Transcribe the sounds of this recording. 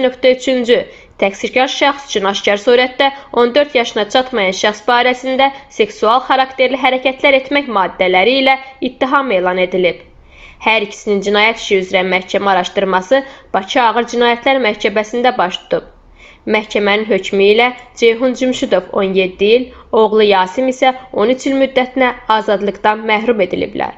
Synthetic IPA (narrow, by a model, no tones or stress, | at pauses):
nøkt̪æyt͡ʃʰynd͡ʒy | t̪ʰæksiɾcʰɑɾʃɑχsy̥t͡ʃʰynɑʃcɑɾsuːɾæt̪d̪æo̞nd̪ø̞ɾt̪jɑʃɯnɑt͡ʃʰɑt̪mɑjɑnʃæχsbɑːiɾæsind̪æse̞ksuɑlˠxɑɾɑkt̪ʰe̞ɾliɦæɾæcʰæt̪ʰlæɾe̞t̪mæçmɑːd̪ːælæɾiːlæit̪ʰːiɦɑme̞ːlˠɑne̞d̪ilib | hæɾicʰi̥sinind͡ʒinɑːjæt̪ʰi̥ʃiyzɾæmæhcʰæmæɑɾɑʃt̪ɯɾmɑsɯb̥ɑcʰiɑːɣɯɾd͡ʒinɑːjæt̪ʰlæɾmæhcʰæbæsind̪æbɑʃt̪ʰu̥t̪ʰub̚ | mæhcʰæmæninɦø̞cʰmiːlæd͡ʒe̞jɦund͡ʒymʃud̪o̞vo̞nje̞d̪ːiilo̞ɣlˠɯjɑːsimisæo̞nyt͡ʃʰilmyd̪ːæt̪ʰinæɑːzɑd̪lˠɯɡd̪ɑnmæɦɾume̞d̪ilḭblæ̰ɾ